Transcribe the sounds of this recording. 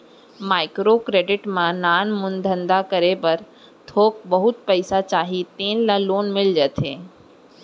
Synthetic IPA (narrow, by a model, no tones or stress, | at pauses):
maːɪkɾokɾeːɖɪʈmãnaːnmʊnd̪ʱə̃nd̪akəɾebəɾ | t̪ʰoːk̚bɐɦʊt̪̚pəɪsat͡ʃaːɦit̪eːnlaloːnmɪld͡ʒət̪ʰeː